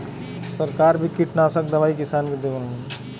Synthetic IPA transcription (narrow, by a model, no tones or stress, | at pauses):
sɐɾkaːɾbʱikiʈnaːsək̚d̪ɐʋaːikɪsaːnked̪eʋəlː